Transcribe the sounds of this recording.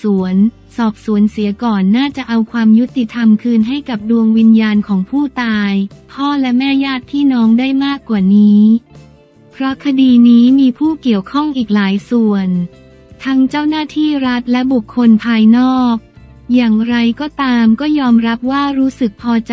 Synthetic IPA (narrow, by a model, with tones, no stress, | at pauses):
su˩˦ən | sɔː˨˩p̚su˨˩˦ənsi˩˦kɔː˨˩nːaː˥˩t͡ɕa˨˩ʔa˧wkʰwaː˧mju˦˥t̪i˨˩t̪ʰa˧mkʰɯː˧nɦa˥˩jka˨˩p̚du˧əŋwi˧njaː˧nkʰɔː˩˦ŋpʰuː˥˩t̪aː˧jpʰɔː˥˩lɛ˦˥mɛː˥˩jaː˥˩t̪ʰːiː˥˩nɔː˦˥ŋdaː˥˩jmaː˥˩kːwaː˨˩niː˦˥ | pʰɾɔ˦˥kʰa˧diː˧niː˦˥miː˧pʰuː˥˩ki˨˩əwkʰɔ˥˩ŋʔiː˨˩k̚laː˩˦jsu˨˩ən | t̪ʰa˦˥ŋt͡ɕa˥˩wnaː˥˩t̪ʰiː˥˩ɾa˦˥t̪̚lɛ˦˥bu˨˩kʰːo˧npʰaː˧jnɔː˥˩k̚ | jaː˨˩ŋɾa˧jkɔː˥˩t̪aː˧mkɔː˥˩jɔː˧mɾa˦˥p̚waː˥˩ɾuː˦˥sɯ˨˩k̚pʰɔː˧t͡ɕ